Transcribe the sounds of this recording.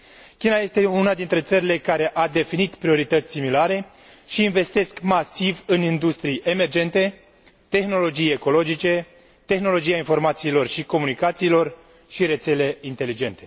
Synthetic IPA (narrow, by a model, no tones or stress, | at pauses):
kʲinaje̞st̪e̞unad̪int̪ɾe̞t̪səɾile̞kaɾe̞ʔad̪e̞finit̪pɾio̞ɾit̪ət̪sʲsimilaɾe̞ | ʃiːnve̞st̪e̞skmasivɨnind̪ust̪ɾijʔe̞me̞rd͡ʒe̞nt̪e̞ | t̪e̞xno̞lo̞d͡ʒije̞ko̞lo̞d͡ʒit͡ʃe̞ | t̪e̞xno̞lo̞d͡ʒijainfo̞rmat̪siːlo̞rʃiko̞munikat̪siːlo̞r | ʃiɾe̞t̪se̞le̞int̪e̞lid͡ʒe̞nt̪e̞